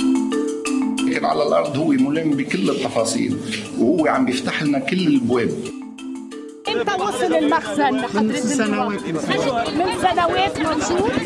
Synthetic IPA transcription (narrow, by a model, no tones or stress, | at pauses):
kɪnʕa̰lalʔɑ̰ɾˤd̪ˤhʊwːemʊlɪmbikɪlːɪt̪ːɑfɑːsˤḭːlwhʊwːeʕambjɪft̪aħlɪnakɪlːɪlbweːb̚ | ʔɪnt̪awɑːsˤɨlɪlmaxzanːmɪnːafsɪsːanaweːt̪nsmɪnsːanaweːt̪mɑnsuːɾ